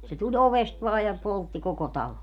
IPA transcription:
se tulʲ oʋest ʋɑː jɑ poltːi koko tɑlo

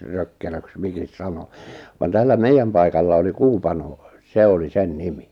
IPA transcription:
røkːeløks mikis sɑno ʋɑn tælːæ meijːæm pɑikɑlːɑ oli kuːpɑnoˑ se oli sen nimi

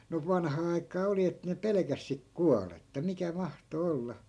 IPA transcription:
no ʋɑnhɑː ɑi̯kˑɑː oli et ne pelĕkæs sik kuɑletːɑ mikæ mɑhto olːɑ

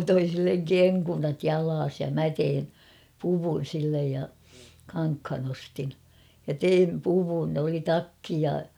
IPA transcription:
toi silːeŋ keŋkunɑt jɑlɑːs jɑ mæ tein puʋun̞ silːej jɑ kɑŋkhɑn ostin jɑ teim puʋun oli tɑkːi jɑ

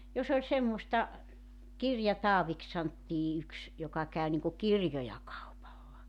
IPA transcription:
jos olʲ semːostɑ kirjɑtɑːʋiks sɑntːiː yks jokɑ kæˑy niŋku kirjojɑ kɑupɑlːɑ

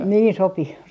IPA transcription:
niːn sopi

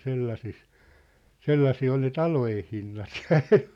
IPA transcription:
selːɑses selːɑsiː ol ne tɑlojen̞ hinːɑt jɑ̥ e̥n̥ːe̥

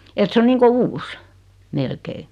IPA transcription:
et se o niːŋko uːs melkei

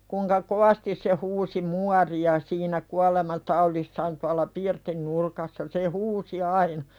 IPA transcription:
kuŋkɑ koʋɑstis se huːsi muɑriɑ siːnæ kuɑlemɑtɑulisːɑːn tuɑlˑɑ pirtin nurkɑsːɑ se huːsi ɑinɑ

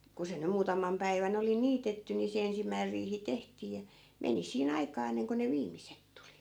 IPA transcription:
ku se nym muːtɑmˑɑm pæiʋæn oli niːtetːy ni se ensimːæir riːhi tehtiː jɑ meni siːn ɑikɑː enːeŋko ne ʋiːmiset tuli

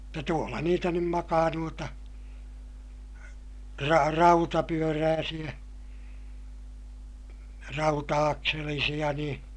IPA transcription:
mutːɑ tuolːɑ niːtæ nym mɑkɑː nuotɑ rɑ rɑutɑpyøræːsij̆æ rɑutɑɑkselisij̆ɑ nĩː

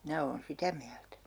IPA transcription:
minæ oːn sitæ miæltæ

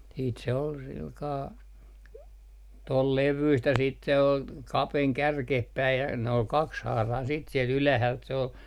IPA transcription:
siːt se ol silkɑː tol leʋyist jɑ siːt se ol kɑpeŋ kærkeh pæij jɑ nĕ ol kɑkshɑːrɑin siːt siel ylæhælt se ol

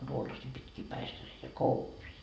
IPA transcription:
tuolːɑsiː pitkiː pæistæreitæ kouʋiː

